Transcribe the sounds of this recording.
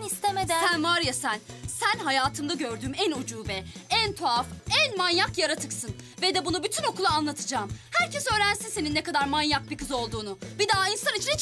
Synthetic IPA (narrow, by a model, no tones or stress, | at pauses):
ist̪emed̪sænvaɾjasænsænɦajaːt̪ʰɯmd̪aɟø̞ɾd̪yːmænod͡ʒuːbɛænt̪ʰoafænmanjakjaɾat̪ʰɯksɯn | vɛd̪ɛbunubyt̪ʰyno̞kʰulˠaːnlˠat̪ʰɯd͡ʒaːmhæɾcʰɛsø̞ːɾænsinse̞ninːɛkad̪aɾmanjak̚bikɯzo̞lˠd̪uːnubid̪aːinsanit͡ʃʰinɛ